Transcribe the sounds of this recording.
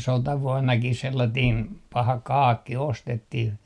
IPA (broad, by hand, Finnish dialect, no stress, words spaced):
sotɑʋuɔnːɑkis selːɑtiːn pɑhɑ kɑːkːi ostetːih